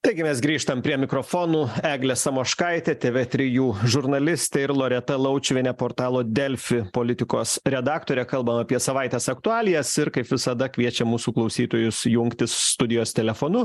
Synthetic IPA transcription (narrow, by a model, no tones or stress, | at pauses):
t̪ɐɪɡʲɪmʲɛsɡɾʲiːʃt̪ɐmpʲɾʲiɛmʲɪkɾoːfoːnuːæːɡlʲɛsɐmoːʃkɐɪt̪ʲet̪ʲeːʋʲet̪ʲɾʲɪjuːʒʊɾnɐlʲɪsʲt̪ʲɛɪɾlˠoːɾʲɛt̪ɐlˠɐʊt͡ʃʲʋʲɪnʲɛpoːɾt̪ɑːlˠoːd̪ʲɛlʲfʲɪpoːlʲɪt̪ʲɪkoːsɾʲɛd̪ɑːkt̪oːɾʲɛkɐlˠbɐmɐːpʲiɛsɐʋɐɪt̪ʲeːsɐkt̪ʊɑːlʲɪjɛsɪɾkɐɪpʋʲɪsɐd̪ɐkʲʋʲiɛt͡ʃʲɛmuːsuːklˠɐʊsʲiːt̪oːjʊsjʊŋkt̪ʲɪsst̪ʊd̪ʲɪjoːst̪ʲɛlʲɛfoːnʊ